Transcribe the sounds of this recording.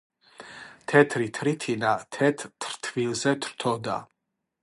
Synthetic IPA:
t̪ʰɛt̪ʰɾit̪ʰɾit̪ʰinat̪ʰɛt̪ʰːɾt̪ʰvilzɛt̪ʰɾt̪ʰɔd̪a̰

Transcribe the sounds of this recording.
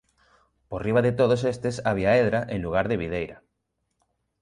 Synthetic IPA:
poriβ̞aðet̪oðosest̪esaβ̞iaeðɾaʔẽŋluɣ̞aɾðeβiðejɾɐ

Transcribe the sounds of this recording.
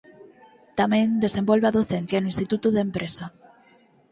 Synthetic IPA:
t̪amẽnd̪esẽmbolβeaðoθen̟θjanoĩnst̪it̪ut̪uðempɾʔesa

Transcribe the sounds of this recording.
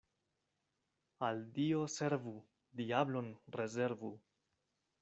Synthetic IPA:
aldio̞se̞ɾvu | diablo̞nɾe̞ze̞ɾvu

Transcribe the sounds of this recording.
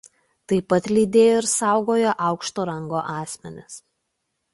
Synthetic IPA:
t̪ɐɪpɐt̪lʲiːd̪ʲeːjoːɪɾsɑˑʊɡoːjoʔɑˑʊkʃt̪oːɾɐŋɡoːʔɑːsʲmʲɛnʲɪs

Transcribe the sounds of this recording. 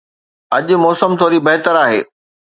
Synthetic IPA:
ɐʄʊ̆mɔːsəmt̪ʰoːɾibɐɦɪt̪əɾaːɦḛː

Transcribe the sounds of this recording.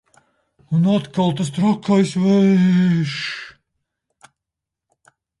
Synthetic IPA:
unat̪kalˠt̪ast̪ɾakʰːajsvɛ | ʃ

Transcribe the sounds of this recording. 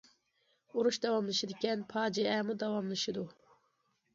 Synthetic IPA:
uɾuʃd̪ɑwɑmlˠɨʃid̪ɪkʲɛnpʰɑːd͡ʒiɛmud̪ɑwɑmlˠɨʃɨd̪u

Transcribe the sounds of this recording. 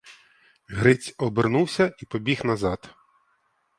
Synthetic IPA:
ɦɾɪt͡sʲɔbernuwsʲɐipɔbʲixnɐzɑt̪

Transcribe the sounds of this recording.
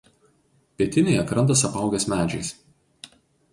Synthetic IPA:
pʲiɛt̪ʲɪnʲɛɪɐkɾɐnt̪̬ɐsɐpɑˑʊɡʲɛsmʲæːd͡ʒʲɛɪs

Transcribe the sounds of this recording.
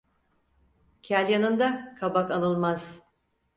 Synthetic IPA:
cʰælʲjanɯnd̪akʰabakanɯlˠmaz̥

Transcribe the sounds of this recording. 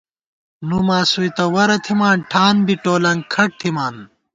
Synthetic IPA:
numaːsujt̪ɐwɐɾɐt̪ʰimaːnʈʰaːnbiʈoːlɐŋɡkʰɐʈ̚t̪ʰimaːn

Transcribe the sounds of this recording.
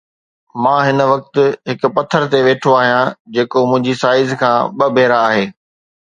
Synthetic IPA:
mãːɦɪnʋɐk̚t̪ʊ̆ɦɪkʊ̆pɐt̪ʰːəɾt̪eʋeːʈʰoaːɦijãd͡ʑeːkomʊ̃ɦɪ̃ɲd͡ʑisaːɪzkʰãːɓɐbʱeːɾaːɦeː

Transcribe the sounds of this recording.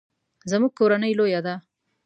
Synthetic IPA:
zɐmuk̚kːoɾɐnɐilojad̪a

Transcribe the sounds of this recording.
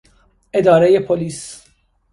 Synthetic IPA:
ʔe̞d̪ɒːɾejepʰoliːs

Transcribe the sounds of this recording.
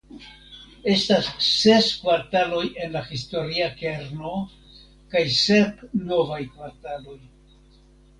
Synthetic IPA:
e̞stasːe̞skvaɾtalo̞je̞nlahisto̞ɾiake̞ɾno̞ | kajse̞pno̞vajkvaɾtalo̞j

